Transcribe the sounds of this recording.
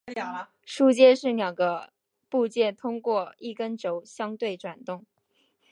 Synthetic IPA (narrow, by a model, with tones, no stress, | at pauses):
ʂu˥˧t͡ɕjɛ˥˧ʂɻ̩˥˩ljɑ˨˩ŋɡə˦ | pu˥˧t͡ɕjɛ˥˩t̪ʰʊ˥ŋkwɔ˥˧i˥˩kə˥nʈ͡ʂo˧˥ʊɕjɑ˥ŋt̪we˥˩ɪʈ͡ʂwa˨˩nt̪ʊ˥˩ŋ